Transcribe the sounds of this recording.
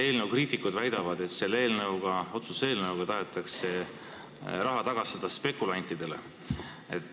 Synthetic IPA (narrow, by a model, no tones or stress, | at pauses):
e̞ːlnəwkriːt̪ˑikːˑud̪væjd̪̥ɑvɑd̪̥e̞t̪se̞lːeeːlnɤwɡ̥ɑo̞t̪suse̞ːlnɤwɡ̥ɑt̪ɑɦet̪ːˑɑkse̞ | rɑɦɑt̪ɑɡ̥ɑst̪ɑd̪̥ɑspe̞kːˑulɑnʲt̪ːˑid̪̥e̞lḛ | et̪ː